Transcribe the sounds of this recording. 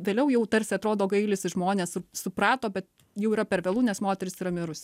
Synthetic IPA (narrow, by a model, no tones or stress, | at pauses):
ʋʲeːlʲɛʊjɛʊt̪ɐɾʲsʲɪɐt̪ɾoːd̪oːɡɐɪlʲɪsɪʒmoːnʲeːsɪsʊpɾɑːt̪oːbʲɛt̪ | jɛʊiːɾɐpʲɛɾʋʲeɛlˠuːnʲɛsmoːt̪ʲɛɾʲɪsiːɾɐmʲɪɾʊsʲ